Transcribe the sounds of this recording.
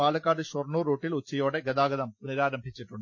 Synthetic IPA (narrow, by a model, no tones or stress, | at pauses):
aːlɐkːaːɽɯɕɔrnuːɾuːʈːɪlʊt͡ɕːɐjoːɽɐɡɐðaːɡɐðɐmʊnɪɾaːɾɐmbʱɪt͡ɕːɪʈːrʊɳɖ